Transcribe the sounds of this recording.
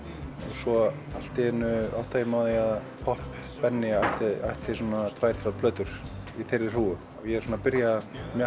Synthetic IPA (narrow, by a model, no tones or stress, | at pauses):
ɔɣsvɔ | al̥t̪ɪɛnːʏa̰ht̪aimaðɪað | pʰɔhp | pɛnːɪajht̪ɪajht̪ɪsɔːnat̪ʰvaːjɾ̥θɾaðpʰlœːt̪ʏɾ̥iθejɾːɪ̥r̥uːʏmavjɛɾsɔːnapɪɾjamja